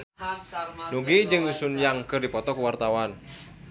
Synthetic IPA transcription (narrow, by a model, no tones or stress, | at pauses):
nuɡid͡ʒɨŋjusunjaŋkɨrdipɔt̪ɔkuwart̪awan